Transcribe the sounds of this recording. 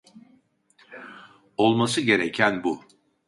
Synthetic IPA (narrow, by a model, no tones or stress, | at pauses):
o̞lˠmasɯɟe̞ɾecʰænbu